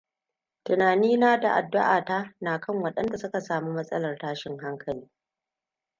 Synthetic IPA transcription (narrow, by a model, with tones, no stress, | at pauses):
tʊ˨naː˨niː˦naː˦da̰˨ʔa˨dːʊ˦ʔaː˨ta˦naː˨kɐ˦ŋwɐ˨ɗɐ˦nda˨sʊ˦ka˨saː˨muː˦mɐ˦sʼɐ̰˦lɐ˨rtaː˦ʃɪ˨ŋɦa˦ŋkʰɐ˨liː˦